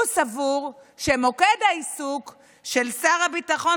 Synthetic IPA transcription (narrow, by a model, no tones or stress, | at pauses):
savuʁʃemo̞kedaisuk | ʃe̞lsaʁabitaχo̞